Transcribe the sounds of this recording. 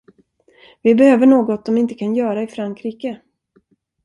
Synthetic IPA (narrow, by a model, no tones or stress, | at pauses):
vɪbɛhøːvəɳoːɡɔt̪̚d̪ɔmɪnt̪əkʰanjœːɾaɪfɾaŋkʰɾiːkə